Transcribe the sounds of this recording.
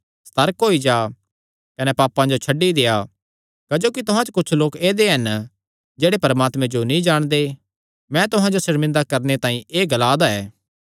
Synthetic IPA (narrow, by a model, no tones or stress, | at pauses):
st̪ɐɾəkɦoːid͡ʒaː | kɐnɛpaːpːãd͡ʒot͡ʃʰɐɖːid̪eːja | kɐd͡ʒoːkit̪ʊɦãt͡ʃkʊt͡ʃʰloːkeːd̪eɦɐn | d͡ʒeːɽepɐɾəmaːt̪mɛ̃d͡ʒonĩd͡ʒaːɽ̃d̪e | mɛ̃t̪ʊɦãd͡ʒosɪɾmɪ̃nd̪akɐɾnet̪ãːĩʔeːɡɐlaːd̪aɛː